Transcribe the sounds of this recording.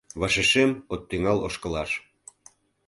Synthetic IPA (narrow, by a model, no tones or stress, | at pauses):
βɑʃeʃemot̪ːyŋɑloʃkəlɑʃ